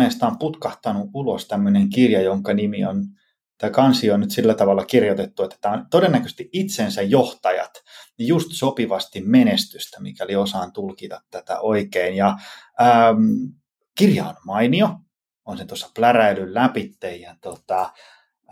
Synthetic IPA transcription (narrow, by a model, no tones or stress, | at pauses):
eːst̪ɑːmput̪kɑht̪ɑnuulost̪æmːøneŋkirjɑjoŋkɑnimion | t̪ɑikɑnsionnyt̪silːæt̪ɑʋɑlːɑkirjot̪et̪ːuet̪ːæ̥t̪æːont̪odenːækø̥st̪iit̪sensæjjoht̪ɑjɑ̰t̪just̪sopiʋɑst̪immenest̪yst̪æmḭkæoliosɑːnt̪ulkit̪ɑt̪tæt̪æ̰ʔoikeinjɑəːm | kirjɑːnmɑinio | onset̪uosːɑ̥plæræilyllæpit̪ːejjɑt̪ot̪ɑ